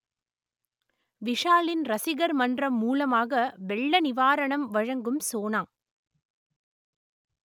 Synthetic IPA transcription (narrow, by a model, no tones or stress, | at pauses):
ʋɪʂaːlɪnɾɐsɪɣɐɾmɐndrɐmːuːlɐmaːɣɐʋɛɭːɐnɪʋaːɾɐɳɐmʋɐɻɐŋɡɯmsoːnaːm